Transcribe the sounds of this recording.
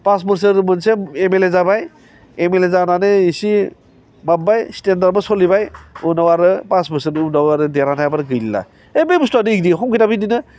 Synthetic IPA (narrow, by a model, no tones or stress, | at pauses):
pasbɯɾsɯɾmɯnseemelezabaj | emelezananɯisi | mambajstendaɾbɯsɔlibajunawaɾɯpasbɯɾsɯɾunawaɾɯdeɾanajabaɾɡɯjlla̰ | ejbebstadiik̚diɦɔŋkitabɯjdinɯ